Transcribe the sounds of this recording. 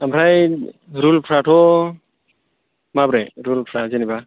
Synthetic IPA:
amɾajɾulpʰɾatʰɔ | mabɾɛɾulpʰɾazeniba

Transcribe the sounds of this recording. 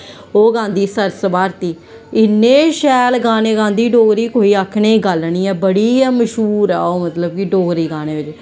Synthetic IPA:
oːɡãːnd̪iːsəɾsəbaːɾt̪iː | ɪnːẽːʃɛːlɡãːnẽːɡãːnd̪iːɖoːɡɾiːkoːiːaːkʰɳeːɡəlɳ̃iːɛːbəɽiːməʃɦuːɾɛ̰ːoːmət̪ləb̚kɪɖoːɡɾiːɡaːñeːʋɪt͡ʃ

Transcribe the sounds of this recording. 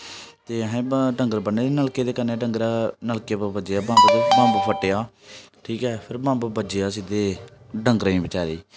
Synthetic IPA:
t̪eːəɦẽːɖəŋɡəɾbənːeːd̪eːnəlkeːd̪eːkəɾneːɖəŋɡɾaːnəlkeːbbəd͡ʒeaːbãːbud̪bãːmbuːpʰəʈːeːaːʈʰiːkɛːpʰɪɾbãːmbəbəd͡ʒejaːsid̪eːɖəŋɡəɾĩːbɪt͡ʃaːɾeː

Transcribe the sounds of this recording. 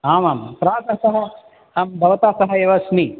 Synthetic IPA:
aːmaːmpɾaːd̪ɐsɐɦɐ | aːmd̪ʱɐʋɐt̪aːsɐɦɐeʋɐsni

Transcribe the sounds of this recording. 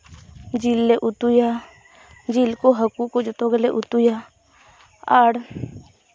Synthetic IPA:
d͡ʒilːeʔʊt̪uja | d͡ʒilkoɦəkukod͡ʒət̪oɡəleʔʊt̪uja | əɽ

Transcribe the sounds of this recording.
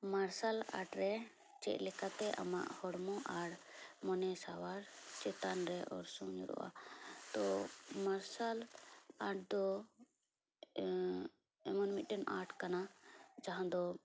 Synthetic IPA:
maɾsala̰ʈɾɛ | t͡ʃɛ̰ʔlɛkat̪ɛʔa̰ma̰ʔhɔɽmɔ̃ʔaɽmɔnɛsawaɾt͡ʃɛt̪anɾɛʔɔ̰ɾsũɲɾɔ̰ʔa̰t̪ɔmaɾsalaʈʰd̪ɔ | ɛmɔnmiʈɛna̰ɾʈkanad͡ʒaɦãd̪ɔ

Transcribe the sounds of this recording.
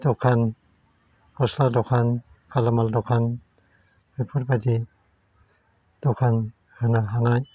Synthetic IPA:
dɔkʰan | kɔsladɔkʰankʰalamaldɔkʰan | bipʰɔɾbadi | d̥ɔkʰan | hɯnaɦanaj

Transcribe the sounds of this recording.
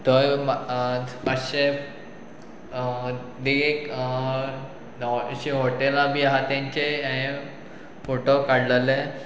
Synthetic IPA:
t̪əjm | paɕe | d̪iek | ɕiɦoʈelabʱiaɦat̪jãɲt͡ɕeãẽ | foʈokaɽləle

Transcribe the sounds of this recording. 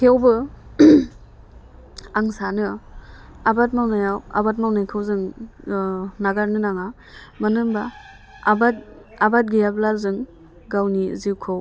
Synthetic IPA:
kʰewbɯ | aŋsanɯ | abat̚mawnajawa̰bat̚mawnajkʰɯwzɯŋ | naɡaɾnɯnaŋa | manɯmba | bat̚ | abat̚ɡijablazɯŋ | ɡawnizikʰɯw

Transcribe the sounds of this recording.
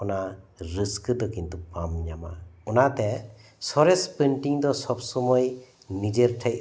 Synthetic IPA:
ɔnaɾɯskɯd̪ɔkint̪upamɲama̰ɔnat̪ɛ | sɔɾespenʈiŋd̪ɔsɔp̚sɔmɔj | nid͡ʒeɾʈʰej̚

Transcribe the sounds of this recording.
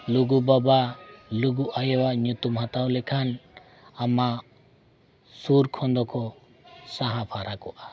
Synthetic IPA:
luɡubabaluɡuʔajɛwaɲut̪umɦat̪awlɛkʰan | ama | suɾkʰɔnd̪ɔkʰɔ | saɦãpʰaɾakɔʔa

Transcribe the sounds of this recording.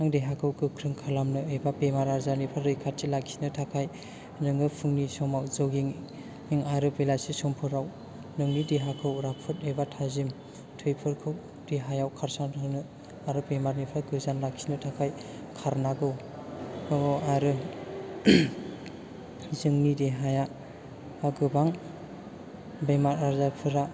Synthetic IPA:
aŋdeɦakʰɯwkɯkʰɾɯŋkʰalamnɯejbapemaɾaɾzanipʰalɾɯjkʰat̚tʰilakʰsʰi̥nɯtʰakʰaj | nɯŋɯpʰɯŋnisɔmawzɯwɡiŋ | iŋaɾɯpelasisɔmpʰɯɾaw | nɯŋnideɦakʰɯwɾapʰɯt̚ejbatʰazim | tʰɯjpʰɯɾkʰɯw | d̥eɦajawkʰaɾsaŋtʰanɯ | aɾɯpejmaɾnipʰaɡɯzanlakʰsinɯtʰakʰaj | kʰaɾnaɡɯw | aɾɯ | zɯŋnideɦaja | aɡɯbaŋ | bejmaɾaɾzapʰɯɾa

